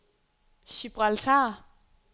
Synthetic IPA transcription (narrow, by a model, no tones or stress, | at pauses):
ɕib̥ʁalt͡sʰa